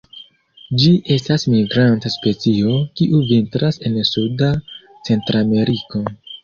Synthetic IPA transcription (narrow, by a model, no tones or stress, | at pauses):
d͡ʒiʔe̞stasmiɡɾantaspe̞t͡sio̞kiʔuvintɾase̞nsuda | t͡se̞ntɾame̞ɾiko̞